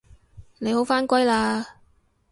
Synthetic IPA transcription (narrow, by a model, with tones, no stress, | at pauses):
ne˨˧jho˨˥wfaː˥nkʷɐ˥jlaː˧